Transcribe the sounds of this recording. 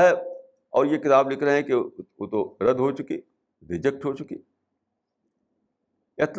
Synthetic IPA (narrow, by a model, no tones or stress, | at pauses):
ɦɛ | ɔːɾjekɪt̪aːblɪkʰɾɐɦɦɛ̃keot̪oɾɐd̪ʱɦot͡ʃʊkḭ | ɾɪd͡ʒək̚ʈɦot͡ʃʊkḭ | ɐt̪